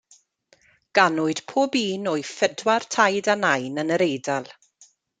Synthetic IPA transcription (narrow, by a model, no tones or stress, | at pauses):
ɡ̥anʊɨd̥pʰoːbiːnoːɨfədwartʰajdanajnənəɾejdalˠ